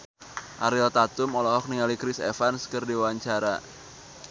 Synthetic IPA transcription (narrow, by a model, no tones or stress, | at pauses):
ʔaɾɪlt̪at̪ʊmɔlɔɦɔk̚niŋalikɾɪsḛfanskərdiwwaɲt͡ʃaɾa